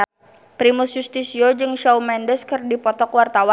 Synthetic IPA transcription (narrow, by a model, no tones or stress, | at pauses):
pɾimusjust̪isiod͡ʒɨŋʃawmɛndəskɨrdipɔt̪ɔkwart̪awa